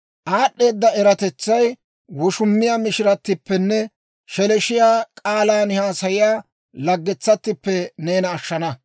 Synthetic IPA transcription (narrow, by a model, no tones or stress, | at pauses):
ʔaːɗːe̞ːd̪ːɐɛɾɐt̪ɛt͡sːɐj | wɔʃʊmːɪjaːmɪʃɪɾɐt̪ːɪpːɛnːɛ | ʃɛlɛʃɪjaːkʼaːlaːnhaːsɐjɪjaː | lɐɡːɛt͡sːɐt̪ːɪpːɛne̞ːnɐːʃːɐnɐ